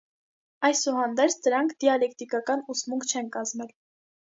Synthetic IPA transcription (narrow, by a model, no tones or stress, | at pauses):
ɑjsuhɑnd̪ɛɾt͡sʰd̪əɾɑŋkʰd̪iɑlɛk̚t̪ikɑkɑnusmuŋkʰt͡ʃʰɛnkɑzmɛl